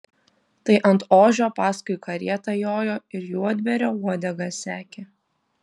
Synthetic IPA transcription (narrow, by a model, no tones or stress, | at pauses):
t̪ɐɪʔɐnt̪oːʒʲoːpɑːskʊɪkɐɾʲiɛt̪ɐjoːjoːɪɾjuːɐd̪ʲʋʲɛɾʲoːuɔd̪ʲɛɡɑsʲæːkʲe